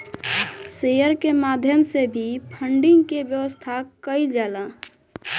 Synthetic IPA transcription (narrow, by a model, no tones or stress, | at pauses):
sejəɾkemaːd̪ʱjəmsebʱipʰə̃ɳɖɪ̃ŋɡkeʋjəʋəst̪ʰakəild͡ʒaːlãː